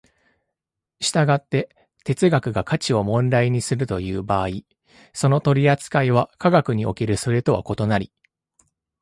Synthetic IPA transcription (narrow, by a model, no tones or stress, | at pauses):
ɕi̥t̪aɡat̪ːe̞ | t̪e̞t͡sɨɡakɯ̟ɡakat͡ɕio̞mõ̞nɾaiɲ̟isɨɾɯt̪o̞jɯ̟ːbaːi | so̞no̞t̪o̞ɾʲiat͡sɨ̥kaiβ̞akaɡakɯ̟ɲ̟io̞ke̞ɾɯ̟sɨɾe̞t̪o̞βa̰ko̞t̪o̞naɾʲi